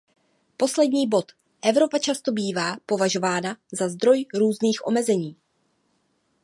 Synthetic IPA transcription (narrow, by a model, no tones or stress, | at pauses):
po̞slɛdɲiːbo̞t̪ | ʔɛvɾo̞pat͡ʃast̪o̞biːvaːpo̞vaʒo̞vaːnazazd̪ɾo̞jɾuːzniːxʔo̞̰mɛzɛɲiː